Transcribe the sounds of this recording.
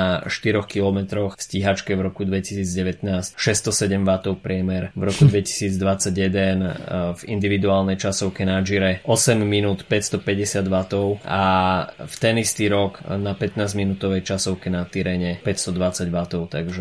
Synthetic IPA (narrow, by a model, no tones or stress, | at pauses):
aʃt̪iɾɔxkilɔmɛt̪ɾɔxfsciɦat͡ʃkɛvɾɔkud̪ʋɛcisiːd͡zɟɛʋɛt̪naːscʃɛst̪ɔsɛɟɛmʋat̪ɔʊpɾɪɛmɛɾvɾɔkud̪ʋɛci̥siːd͡zd̪ʋat͡saɟjɛd̪ɛnvḭnd̪iʋid̪uaːlnɛjt͡ʃasɔʊkɛnaʒiɾɛʔɔsɛmːinuːt̪pɛcst̪ɔpɛɟɛsɪad̪ʋat̪ɔʊʔa̰ft̪ɛnist̪iɾɔɡnapɛt̪naːzminut̪ɔʋɛjt͡ʃasɔʊkɛnat̪iɾɛɲɛpɛcst̪ɔd̪ʋat͡saɟʋat̪ɔʊt̪aɡʒɛ